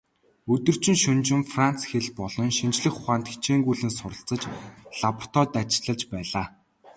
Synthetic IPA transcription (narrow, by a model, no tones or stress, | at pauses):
ɵt̪ɵ̆r̥t͡ɕɪ̆nʃɵnt͡ɕɪ̆mfran̥t͡sxeɮpɔɮɞ̆nʃint͡ɕɮɘ̆xʊχaːnt̪xe̥t͡ɕʰeːŋɡuːɮɘ̆nsʊrə̆ɬt͡sə̆t͡ɕɮ̥apʰt̪ɔt̪at͡ɕɪ̆ɮə̆ɮt͡ɕpæːɮaː